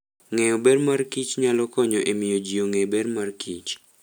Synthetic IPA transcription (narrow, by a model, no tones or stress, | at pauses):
ŋɛobɛrmarkit͡ʃɲalɔkɔɲɔʔemɪjod͡ʒioŋebermarkʰit͡ʃ